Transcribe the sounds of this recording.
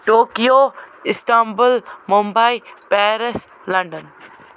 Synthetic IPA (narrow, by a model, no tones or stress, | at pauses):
ʈoːkijoɪst̪ambəlmũmbaipɛːɾes | lɐ̃ɳɖən